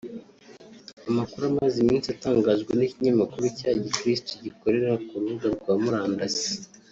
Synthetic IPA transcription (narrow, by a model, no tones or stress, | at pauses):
amakuɾuamazimiːnsiataːŋɡaːzɡweniciɲamakuɾucaːɟikɾistoɟiko̞ɾe̞ɾɾakuɾuɡaɾɡwaːmuɾaːndazi̥